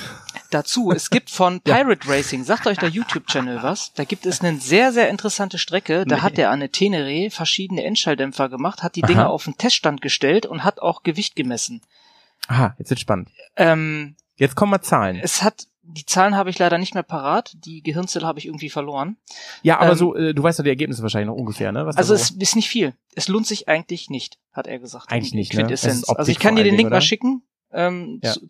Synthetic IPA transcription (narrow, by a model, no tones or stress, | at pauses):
d̥at͡suːɛsɡ̥iːp̚tfɔnpʰaɪʁətʁɛɪsɪŋzaːktʔɔʏçd̥eːɐjuːtʰjuːp̚t͡ʃɛnl̩vasd̥aːɡiːp̚tɛsnəzeːɐzeːɐɪntəʁəsantəʃtʁ̥ɛkədaːɦat̚d̥eːɐʔaɪnətʰeːnəʁeːfɛɐʃiːdən̩əʔɛ̰ntʃaɪldɛmfɐɡəmaχthat̚d̥iːd̥ɪŋəʔa̰ʊfn̩tʰɛstʃtantɡ̥əʃtɛltʊ̰nthata̰ʊxɡ̥əvɪçt̚ɡ̥əmɛsn̩ | ʔaajɛt͡szv̥ɪtʃpann̩tʔɛːm | jɛt͡skʰɔmat͡saːlənɛshat | d̥iːt͡saːlənhaːbəɪçlaɪɾɐnɪçtmeːɐpʰaʁaːtd̥iːɡəɦɪɐnt͡sɛləhaːbəɪçɪɐɡŋ̩tv̥iːfɛɐloːʁənjaːʔa̰ːbɐzoːʔɛːduːvaɪstjaːdiɛɐɡeːp̚nɪsəvaːʃ̬aɪlɪçnɔ̰χʔʊnɡəfḛːɐnəvasalzoɛsɪstnɪçtfiːl | ʔɛsloːntz̥ɪçʔa̰ɪɡŋ̩tlɪçnɪçt | hatʔḛːɐɡəzaːktʔaɪɡŋ̩ɪnɪçkvɪntɛsɛnnʔalzoɪçkʰandiɐɾeːnlɪŋkmaʃɪkŋ̩ | ʔɛːm